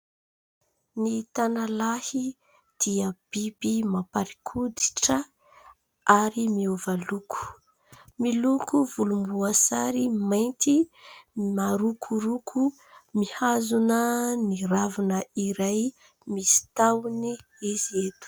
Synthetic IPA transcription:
nit̪analahi | d̪̥iəb̥ibimapaɾikʰud̪i̥ʈ͡ʂə | aɾimiuvalukʰu̥ | milukuvulumbuasa̰ɾimajnt̪i | maɾukʰuɾukʰu | mihazunəniravunəiɾaj | misi̥t̪awni | iziet̪u̥

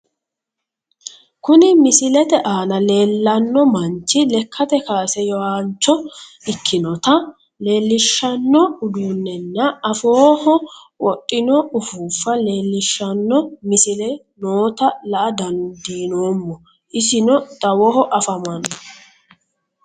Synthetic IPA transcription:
kʊnɪmɪsɪlɛt̪ɛʔaːnɐle̞ːlːɐnːɔmɐnt͡ʃːɪlɛkʰːɐt̪ɛkaːsɛjɔhaːnt͡ʃːɔ | ɪkʰːɪnɔt̪ɐ | le̞ːlːɪʃːɐnːɔʊd̪uːnːɛnːɐːfoːhɔ | wɔtʼːɪnɔʊfuːfːɐle̞ːlːɪʃːɐnːɔmɪsɪlɛ | noːt̪ɐlɐʔɐd̪ɐnd̪iːno̞ːmːɔ | ʔɪsɪnɔd̪̥ɐwɔhɔʔɐfɐmɐnːɔ

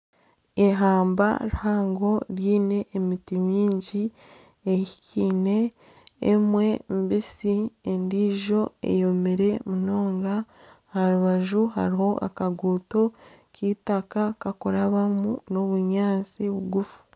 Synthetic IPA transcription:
eɦaːmba̰ɾuhaːŋɡo̞ɾjiːne̞ʔːmitimiːɲɟi | eiciːne̞̰ː | mwe̞mbisiendiːʒo̞ḛjo̞meɾe̞muno̞ːŋɡa | haɾuβaʒuɦa̰ɾiho̞ʔa̰kaɡuːto̞ | citakakakuɾaβamuno̞βuɲaːt͡siβuɡufu̥

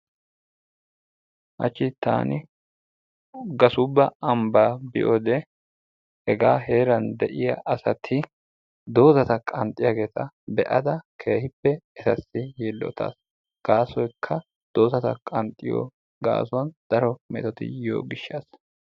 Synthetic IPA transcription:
ʔɐ̰t͡ʃːɪt̪ːa̰ːnɪ | ɡɐsʊbːɐɐmbaːbɪʔod̪ɛ | hɛɡaːɦe̞ːɾɐnd̪ɛʔɪjɐʔɐsɐt̪ʰɪ | d̪o̞ːzɐt̪ɐkʼɐnt̪ʼːɪjaːɡe̞ːt̪ɐ | bɛʔɐd̪ɐkʰe̞ːhɪpːɛɛsɐsːɪjelːɔ̰t̪ʰa̰ːs | ɡ̥aːsɔjkʰːɐ | d̪̥o̞ːzɐt̪ɐkʼɐnt̪ʼːɪjɔ̰ː | ɡa̰ːsɔɐnd̪̥ɐɾɔmɛ̰t̪ɔt̪ɪ̰jo̰ːɡɪʃːaːs

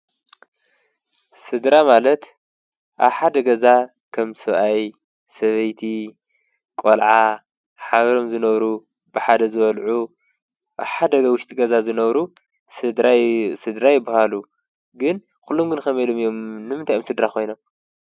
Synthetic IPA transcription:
sɨd̪ɾamalɐt̪ | ʔa̰βħad̪ɐɡɐza | kʰɐmsɨβʔaj | sɐβɐjt̪ʰi | kʼolʕa | ħaβɾo̞mzɨnɐβɾu | bɨħad̪ɐzɨβɐlʕu | ʔa̰βħad̪ɐwʊʃt̪ʼiɡɐzazɨnɐβɾu | sɨd̪ɾajɪbɐɦalu | ɡɨn | kulːomɡɨnkɐmelomijomnɨmɨnt̪ʰajomsɨd̪ɾakʰo̞jnom

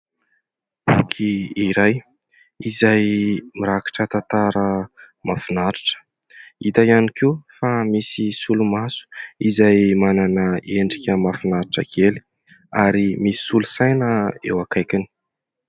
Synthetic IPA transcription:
bukʰiiɾaj | izajmiɾaki̥ʈ͡ʂət̪ant̪aɾə | mafinaɾiʈ͡ʂə̥ | it̪ajanikʰiufamisisulumasu̥izajmananəeɳɖ͡ʐikʲəmafinaɾiʈ͡ʂəkʰeli̥ | aɾimisi̥sulusajnəḛwakajkini̥

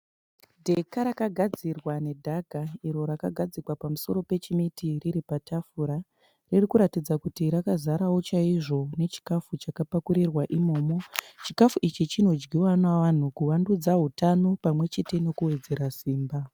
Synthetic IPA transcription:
dʱe̞kaɾakaɡʱad͡zirwane̞dʱaɡʱaiɾo̞ɾakaɡʱad͡zikwapamuso̞ɾo̞pe̞t͡ʃimitiriɾipatafuɾa | ririkuɾatid͡zakutiɾakazaɾawo̞t͡ʃaiʐo̞ne̞t͡ʃi̥kafut͡ʃakapakuɾirwaʔimo̞ːmo̞t͡ʃikafuʔit͡ʃit͡ʃino̞d͡ʒɡiwanaʋan̤ukuwandud͡zaɦutano̞pamwe̞t͡ʃe̞te̞no̞kuwe̞d͡ze̞ɾasiːmba

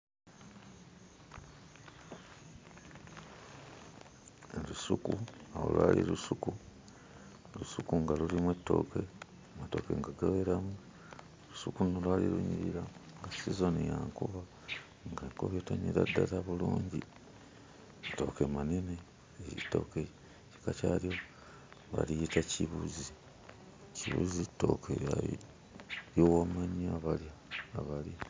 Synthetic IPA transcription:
elusukuao̰lwaːlḭlusuku | lusukuŋɡalulimwe̞tːo̞̰ke̞ | amato̞kḛŋɡaɡaweɾamu | lusukunolwaliluɲiɾiɾaŋɡasizo̞nijaŋkuβa | ŋɡako̰βetoɲiɾa̰dataβuluːɲɟi | ato̞kemanene | jitːo̞̰ke | ci̥kat͡ʃaljo | βa̰liitaciβuzi | ciβṵzitːokʰea | jowamaɲiaβaljaːβalja

